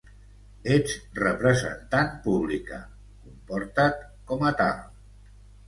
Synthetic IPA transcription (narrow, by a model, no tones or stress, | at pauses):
et͡srəpɾəzə̰nt̪anpuβlikə̰ | kumpoɾt̪at̪ | kɔmət̪a̰lˠ